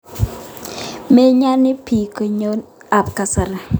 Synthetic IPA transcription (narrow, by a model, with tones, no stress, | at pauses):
me˦ɲa˦nɪ˦pi˨ko˨ɲo˦n | a˨pka˨sa˨ɾa˨